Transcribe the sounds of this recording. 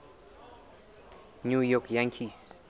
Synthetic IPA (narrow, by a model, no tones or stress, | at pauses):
nujɔkjãŋkʰis